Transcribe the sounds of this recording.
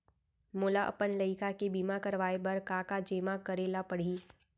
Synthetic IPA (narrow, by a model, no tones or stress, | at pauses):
mʊːlaʔɐ̰pənləɪkʰakebiːmakɐɾʋaːebɐɾkaːkad͡ʒeːmakəɾeːlapəɽ̤iː